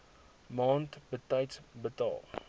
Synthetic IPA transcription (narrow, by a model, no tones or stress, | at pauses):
mɑːntbətɐjtbətɑ̰ːlˠ